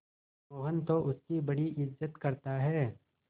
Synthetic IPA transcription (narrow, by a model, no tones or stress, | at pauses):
moːɦənt̪oʔʊskibɐɽiʔɪzːət̪kɐɾt̪aɦɛː